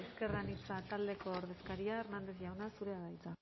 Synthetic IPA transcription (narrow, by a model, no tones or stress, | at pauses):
eske̞ranit͡sat̪ald̪e̞ko̞ːɾð̞e̞skaɾiaernand̪e̞sʝawnasuɾe̞aðajt͡sa